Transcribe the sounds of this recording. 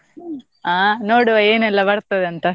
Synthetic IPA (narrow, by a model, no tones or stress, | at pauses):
aːnoːɽuʋɐeːnɛlːɐʋɐɽt̪ːɐd̪eɐnt̪ɐ